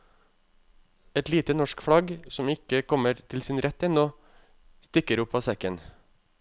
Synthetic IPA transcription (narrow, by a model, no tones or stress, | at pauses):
ɛt̪liːt̪ənɔʃkfɽɑɡsɔmɪkəkʰɔməɾt̪ʰɪlsɪnɾɛt̪ːɛnoː | st̪ɪkəɾʊpːɑːsɛkən